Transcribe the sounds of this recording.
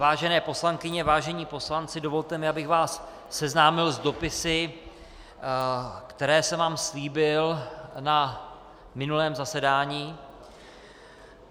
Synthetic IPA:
vaːʒɛnɛːpo̞slaŋkɪɲɛvaːʒɛɲiːpo̞slant͡sɪdo̞vo̞lt̪ɛmɪabɪɣvaːsː | ɛznaːmɪlzdo̞pɪsɪ | kt̪ɛɾɛːsɛvaːmsliːbɪlna | mɪnulɛːmzasɛdaːɲiː

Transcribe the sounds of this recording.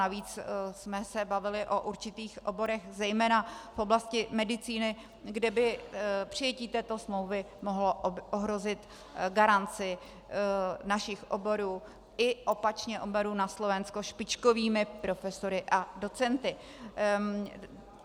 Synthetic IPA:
aviːt͡ssmɛsɛbavɪlɪʔo̞ʔuɾt͡ʃɪt̪iːxʔo̞bo̞ɾɛxzɛjmɛːnafʔoblascɪmɛdɪt͡siːnɪ | ɡdɛbɪpr̥ɪjɛciːt̪ɛːt̪o̞smlo̞wvɪ | mo̞ɦloʔoɦɾo̞zɪt̪ | ɡaɾant͡sɪ | naʃɪxʔobo̞ɾuː | ʔɪʔo̞pat͡ʃɲɛʔobɛɾuːnaslo̞vɛnsko̞ʃpɪt͡ʃko̞viːmɪpɾo̞fɛso̞ɾɪʔado̞t͡sɛnt̪ɪ

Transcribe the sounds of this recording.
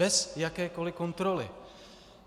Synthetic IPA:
ɛsjakɛːkolɪkont̪ɾolɪ̰

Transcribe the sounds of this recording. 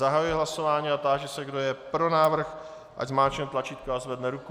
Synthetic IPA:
zaɦajujɪɦlaso̞vaːɲiːat̪aːʒɛsɛɡdo̞jɛpɾo̞naːvr̩x | ʔa̰ɟzmaːt͡ʃɛt̪lat͡ʃiːt̪kaazvɛdnɛɾuku

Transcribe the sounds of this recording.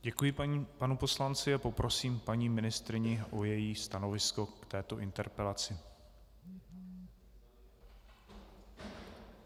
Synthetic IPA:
ɟɛkujɪpanupo̞slant͡sɪapo̞pɾo̞siːmpaɲiːmɪnɪst̪ɾɪɲɪʔo̞jɛjiːst̪ano̞vɪsko̞kt̪ɛːt̪o̞ʔɪnt̪ɛɾpɛlat͡sɪ

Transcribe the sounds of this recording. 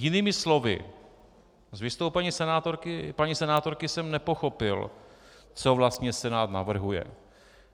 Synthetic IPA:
jɪniːmɪslo̞vɪ̰ | zvɪst̪owpɛɲiːsɛnaːt̪o̞ɾkɪpaɲisɛnaːt̪o̞ɾkɪsɛmnɛpo̞xo̞pɪl | t͡so̞vlast̪ɲɛsɛnaːt̪na̰vr̩ɦujɛ̰

